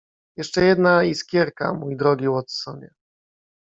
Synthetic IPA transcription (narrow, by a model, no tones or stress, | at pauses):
jɛʂt͡ʂɛjɛd̪naiskʲjɛɾka̰mujd̪ɾɔɡʲiwɔt̪ssɔbʲjɛ